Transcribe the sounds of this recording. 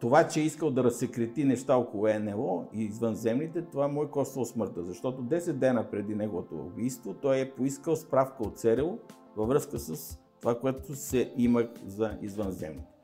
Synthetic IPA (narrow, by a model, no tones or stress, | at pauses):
t̪ovat͡ʃɛɛiskəlˠd̪ɐɾɐsːɛkɾɛt̪inɛʃt̪aokolˠʊɛnɛlˠɔiːzvənzɛmnit̪ɛt̪ovaɛmɔjkɔst̪əlˠsmɤɾt̪əzɐʃt̪ɔt̪od̪ɛsɛd̪̚d̪ɛnəpɾɛd̪inɛɡovot̪o̰ṵbijst̪vot̪ɔjɛpoiskəlˠspɾafkəot̪sɛɾɛlˠo | vɐvɾɤskəsəs | t̪ovakoɛt̪osɛiməxzɐḭzvənzɛ̰mnit̪ɛ̥